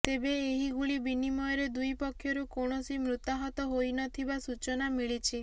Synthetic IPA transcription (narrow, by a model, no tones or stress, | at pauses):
t̪ebeːɦiɡuɭibinimɔjɔɾed̪ujpɔkʰːjɔɾukoɳ̃ɔsimɾut̪aɦɔt̪ɔɦojnɔt̪ʰibasut͡ʃɔnamiɭit͡ʃʰi